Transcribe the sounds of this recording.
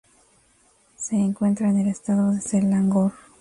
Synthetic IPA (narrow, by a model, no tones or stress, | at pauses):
se̞ːŋkwe̞nt̪ɾaene̞le̞st̪aðo̞ðe̞selaŋɡoɾ